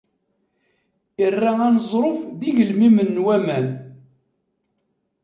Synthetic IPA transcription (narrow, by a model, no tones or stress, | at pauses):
ərːaænəzˤɾˤofðiɡəlmimənːwæmæn